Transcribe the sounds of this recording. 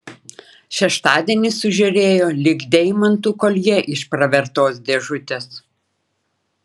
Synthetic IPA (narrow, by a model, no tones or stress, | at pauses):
ʃʲɛʃt̪ɑːd̪ʲiɛnʲɪsʊʒʲɛɾʲeːjoːlʲɪɡd̪ʲɛɪmɐnt̪uːkɔlʲjɛʔɪʃpɾɐʋʲɛɾt̪oːsd̪ʲɛʒʊt̪ʲeːs